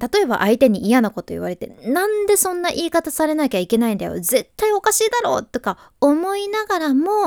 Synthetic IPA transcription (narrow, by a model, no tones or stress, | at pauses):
t̪at̪o̞e̞ba̰ʔait̪e̞ɲ̟iːjanako̞t̪o̞ḭβaɾe̞t̪e̞̰nãnd̪e̞sõ̞nːaʔiːkat̪asaɾe̞nakʲaike̞naĩnd̪ajo̞̰ze̞t̪ːaio̞kaɕiːd̪aɾo̞̰ːt̪ːo̞ka | omo̞inaɡaɾamo